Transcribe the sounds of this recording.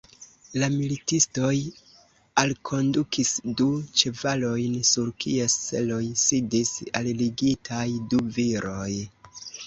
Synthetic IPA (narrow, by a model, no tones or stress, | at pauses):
lamilitisto̞j | alkʰo̞ndukʰisdut͡ʃe̞valo̞jnsuɾkʰie̞st͡se̞̰lo̞jsidisa̰lliɡitʰajduviɾʔo̞j